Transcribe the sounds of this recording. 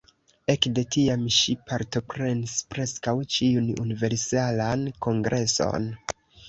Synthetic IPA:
e̞kde̞tiamʃipʰaɾto̞pɾe̞nispɾe̞skawt͡ʃiunṵnive̞ɾsalanko̞ŋɡɾʔe̞so̞̰n

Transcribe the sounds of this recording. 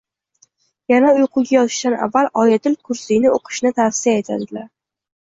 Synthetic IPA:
janaʊjqʰʊɡʲajɒt̪ʰɪʃt̪ana̰vːalɒjat̪ɪlkʰʊɾsijnɪoqʰɨ̥ʃnɪt̪ʰafsɪjae̞t̪ʰa̰d̪ɪlaɾ

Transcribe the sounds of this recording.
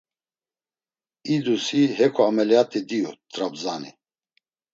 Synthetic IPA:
id̪usiɦɛkʰɔamɛlat̪ʼid̪iut̪ʼɾabzanḭ

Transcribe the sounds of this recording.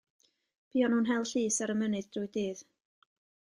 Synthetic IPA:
b̥iːɔnhuːnɦɛlˠɬiːsaɾəmənɨðd̥rujdiːð

